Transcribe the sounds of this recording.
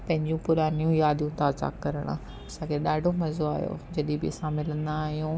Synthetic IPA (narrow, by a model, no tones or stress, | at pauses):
pɐ̃ɦɪ̃ɲd͡ʑũpʊɾaːnijũjaːd̪ijũt̪aːza̰ːkːɐɾəɽ̰̃ | ɐsãːkʰeɗaːɖʱomɐzoaːjo̰ːd͡ʑɐɗibɪ̰ɐsãmɪlə̃nd̪aːɦijũ